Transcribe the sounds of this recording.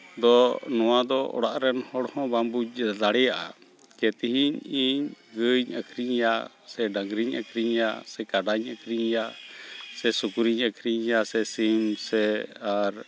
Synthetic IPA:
d̪ɔnɔwad̪ɔɔ̰ɽaʔɾɛnhɔɽhɔ̃bambud̪aɽɛjaʔa̰ | kɛt̪iɦiɲiɲɡəɲəkʰɾiɲjaʔ | sɛɖaŋɡɾiɲə̰kʰɾiɲjasɛkaɖaɲəkʰɾiɲjaʔsɛsukuɾiɲəkʰɾiɲjasɛsimsɛaɾ

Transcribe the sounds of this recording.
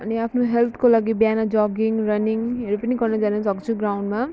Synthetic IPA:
ʌniapʰnoɦelt̪ʰkolaɡibjanad͡ʒɔɡiŋɡrʌniŋɦʌɾupɐniɡʌrnʌd͡zanʌsʌkut͡sʰuɡɾawɳɖma

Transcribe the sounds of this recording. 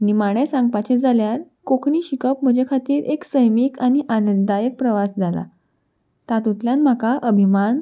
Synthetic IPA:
nimaɽ̃esãŋɡ̚pat͡ɕed͡zaljaɾ | kokɳiːɕikəpm̤əd͡ʑekʰat̪iːɾʔeksəjmikaɽ̃iʔanəd̪ajək̚pɾəʋasd͡zala̰ | t̪at̪ut̪ljanm̤akaʔəbʱiman

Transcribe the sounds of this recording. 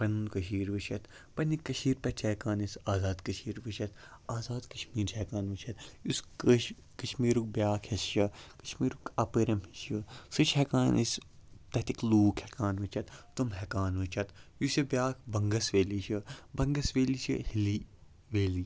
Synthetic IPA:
pɐnunkɐʃ̬iːɾʋɨt͡ʃʰɐt̪ | pɐnikːɐʃiːɾpɐt͡ʃʰeːkaːnisaːzaːd̪kɐʃiːɾʋɨt͡ʃɐt̪ | aːzaːd̪kɐʃmiːɾɛkaːnʋɨt͡ʃʰɐt̪us | kɐʃmiːɾuk̚bjaːkʰhɐsʃɐkɐʃmiːɾukɐpɨɾɐmhisjɐsɨt͡ʃʰɦɛkaːnḭst̪ɐt̪ikluːkʰhɛkaːnʋɨt͡ʃʰɐt̪ːumɦɛkaːnʋɨt͡ʃʰɐt̪jusɐbjaːkʰbɐŋɡɐsʋeːliʃʰɨbɐŋɡɐsʋeːliʃɨhili | ʋeːliː

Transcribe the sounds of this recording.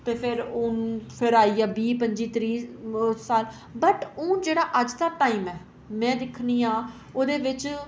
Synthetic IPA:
t̪eːpʰɪɾʊnpʰɪɾaːiːɛːbiːpəɲd͡ʒiːt̪ɾiːsaːl | bəʈʊ̃ːd͡ʒeːɽaːʔəd͡ʒd̪aːʈaːiːmɛː | mɛ̃ːd̪ɪkʰniːãː | oːd̪eːʋɪt͡ʃ

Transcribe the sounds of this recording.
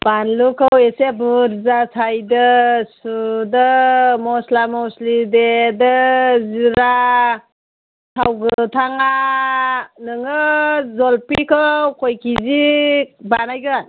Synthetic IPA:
b̥anlukʰɯwesebuɾzasʰajdɯsudɯmɔslamɔwslidedɯziɾa | tʰawɡɯtʰaŋa | nɯŋɯzɔlpikʰawkʰojkʰizibanajɡɯn

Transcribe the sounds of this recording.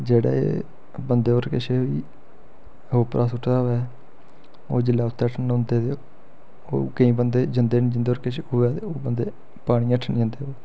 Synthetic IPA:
d͡ʒeːɽa̰ːḛː | bənd̪eːəɾkɪʃeːoiː | ɦoːpɾʔaːsʊʈʰːd̪aːʋɛː | oːd͡ʒɪlːaːʊt̪ːeːəʈʰnnʊ̃nd̪eːt̪e | o̰ːkəĩːbənd̪eːd͡ʒənd̪eːnĩːd͡ʒənd̪eːoːɾkɪʃeːoːɛːt̪eoːbənd̪eː | paːɽ̃ĩːəʈʰːnĩənd̪eːoeː

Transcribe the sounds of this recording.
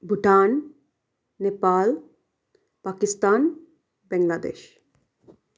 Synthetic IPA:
bʱuʈaːn | nepaːl | paːkist̪aːn | bɛŋɡlaːd̪ḛːʃ

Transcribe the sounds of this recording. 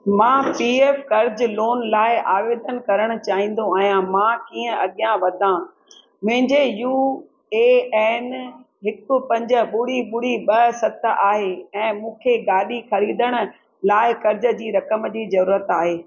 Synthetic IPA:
mãːpiːeːfkɐɾd͡ʑloːnlaːɪaːʋeːd̪ənkɐɾəɽ̃ʊ̆t͡ɕaːɦĩːn̆d̪oaːɦijãmãːkiːə̃ɐɠijãʋɐd̪ʱã | mʊ̃ɦɪ̃ɲd͡ʑejuː | eːɛːn | ɦɪkʊ̆pɐ̃ɲd͡ʑə̆ɓʊɽiɓʊɽ̤iɓɐsɐt̪ʰʔaːɦeɛ̃ːmũːkʰeɡaːɗixɐɾiːd̪əɽ̃ʊ̆ | laːɪkɐɾd͡ʑə̆d͡ʑiːɾɐkəmd͡ʑiːzɐɾuːɾət̪aːɦeː

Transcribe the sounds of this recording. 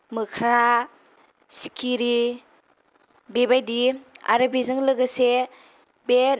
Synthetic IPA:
mɯkʰɾa | skʰiɾi | bebajdia̰ɾɯbizɯŋlɯɡɯse | beɾ

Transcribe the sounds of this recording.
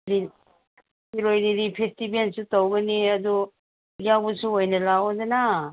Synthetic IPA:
ɾi | iɾojɾiɾipʰestibensutawɡɐniɐdu | ijawbɐsuojnɐlaozena

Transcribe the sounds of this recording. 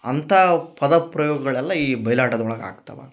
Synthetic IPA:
ɐnt̪ʰapɐd̪ɐpɾɐjoːɡɐɡɐɭɛlːɐiːbʱɐjlaːʈɐd̪ɐɔɭɐɡa̰ːɡt̪ɐ̰ʋa̰

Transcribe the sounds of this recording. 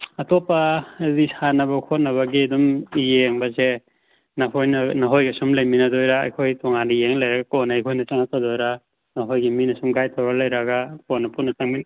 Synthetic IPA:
ɐtopːɐdisanɐbɐkʰot̚nɐβɐɡidumijeŋbɐze | nɐhojnɐnɐɦojɡisumlejminɐdojɾa̰ːjkʰojtʰɔŋandijeŋlɐjɾɐɡakonɐjkʰojnɐt͡ʃaŋat̚adojɾa | nɐɦojɡiminɐsumɡajtʰawɾalɐjɾɐɡakonɐpunːɐt͡ʃaŋmi

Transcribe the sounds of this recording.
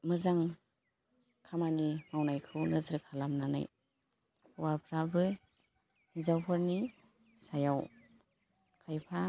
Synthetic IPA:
mɯzaŋ | kʰamanimawnajkʰɯwnɯzɯɾkʰalamnana̰j | wapʰɾabɯ | zawpʰɔɾni | sajaw | kʰajpʰa

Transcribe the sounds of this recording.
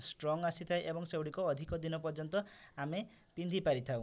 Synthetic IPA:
sʈɾɔŋasit̪ʰajʔebɔŋsewɽikɔːd̪ʱikɔd̪inɔpɔɾd͡ʒɔnt̪ɔame | pind̪ʱipaɾit̪ʰaw̃

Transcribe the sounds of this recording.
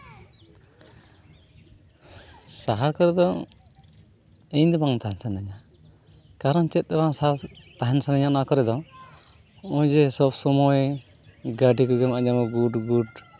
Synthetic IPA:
saɦaɾkɔɾɛd̪ɔ | ɛɲd̪ɛbaŋt̪aɦɛnsanaɲa | kaɾɔnt͡ʃɛt̪̚ˀd̪ɛbaŋsat̪aɦɛnsanaɲanakɔɾɛd̪ɔ | ɔjd͡ʒɛsɔbsɔmɔj | ɡaɖikɔɡɛmad͡ʒamɔɡuɖɡuɖ

